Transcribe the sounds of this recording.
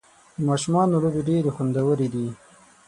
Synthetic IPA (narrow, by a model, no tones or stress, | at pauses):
d̪əmɑʃumɑnolobeɖeɾexund̪awəɾed̪i